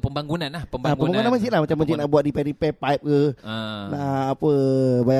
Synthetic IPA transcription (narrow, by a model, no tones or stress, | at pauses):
pəmbaŋɡunanlahpəmaəmbaŋɡunanməd͡ʒit̪lahmat͡ʃamːəd͡ʒit̪̚naʔbuat̪̚dipɛɾipɛpajp̚kənaʔapəbaja